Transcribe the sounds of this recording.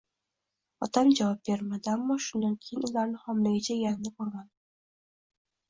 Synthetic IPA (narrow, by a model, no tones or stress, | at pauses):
ɒt̪ʰamd͡ʒavɒp̚be̞ɾmad̪ɪamːɒʃʊnd̪ankʲʰejɪnʊlaɾnɪhɒmlaɡʲat͡ʃʰajanɪbolˠɡʲan